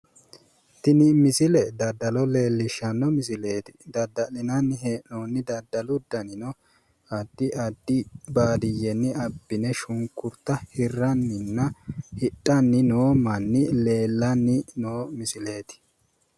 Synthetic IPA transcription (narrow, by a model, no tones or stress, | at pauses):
t̪ɪnɪmɪsɪlɛd̪ɐd̪ːɐlɔle̞ːlːɪʃːɐnːɔmɪsɪle̞ːt̪ɪ̥d̪ɐd̪ːɐlɪnɐnːɪhenoːnːɪd̪ɐd̪ːɐlʊd̪ːɐnɪnɔ | ɐd̪ːɪɐd̪ːɪbaːd̪ɪjɛnːɪɐbːɪnɛʃʊŋkːʊɾt̪ːɐhɪrːɐnːɪnːɐhɪtʼːɐnːɪnoːmɐnːɪle̞ːlːɐnːɪnoːmɪsɪle̞ːt̪ɪ̥